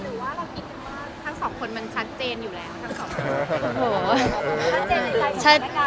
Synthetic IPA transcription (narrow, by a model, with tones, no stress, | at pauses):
ɾɯ˩˦waː˥˩˧i˨˩˧aː˥˩t̪ʰa˦˥ŋsɔː˨˩˦ŋkʰo˧nma˧nt͡ɕʰa˦˥t̪̚t͡ɕeː˧njuː˨˩lɛː˦˥wt̪ʰa˦˥ŋsɔː˨˩˦kʰo˧hoː˩˦˥ | a˧˥˧t͡ɕʰa˦˥t̪̚